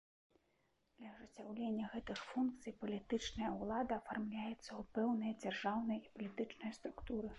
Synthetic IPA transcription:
d̪̥lʲɐɐʐɨt͡sʲawlʲenʲːɐɣɛt̪ɨxfunk̚t̪sɨjpɐlʲit̪ɨt͡ʂnɐjɐwlˠad̪ɐːfarmlʲajɛt̪sːɐupɛwnɨjɐd͡zʲarʐawnɨjɐipɐlʲit̪ɨt͡ʂnɨjɐst̪ɾukt̪uɾɨ

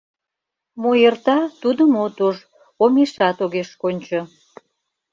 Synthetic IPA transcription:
mojert̪ɑt̪ud̪əmot̪oʒ | omeʃɑt̪oɣeʃkonʲt͡ɕo

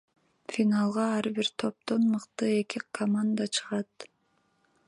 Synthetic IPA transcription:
fʲinalˠʁɑɑɾbiɾt̪ʰo̞p̚t̪o̞nmɯqt̪ɯekikʰɐmand̪at͡ʃʰɯ̥ʁɑt̪

